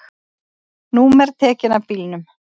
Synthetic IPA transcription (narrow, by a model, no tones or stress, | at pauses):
numɛɾ̥t̪ʰɛːcɪnavpiːlnʏm